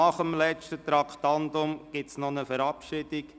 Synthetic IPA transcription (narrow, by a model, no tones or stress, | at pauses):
ɑχəmlɛt͡ʃtət̪ɾɑkʰtɑnd̪ʊmɡ̥ɪtsnɔnəfəɾɑpʃɪd̥ik